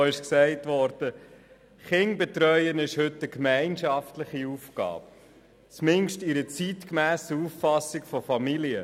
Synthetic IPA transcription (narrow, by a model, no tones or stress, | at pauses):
ɪʃksɛɪtʋɔɾd̥ə | χɪŋbɛt̪ɾœʏənɪʃhɵtːəkmæɪnʃɑftləχiufɡɑ̰ːp | t͡smɪŋʃtiɾət͡sitkmæːsəufːɑsɪkfɔfɑmiliə